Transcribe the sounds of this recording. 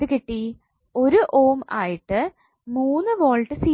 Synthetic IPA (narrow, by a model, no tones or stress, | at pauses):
ɨkiʈːi | o̞ɾuʔoːmaːjiʈːɨ | muːnːɨʋo̞ːɭʈːɨsiː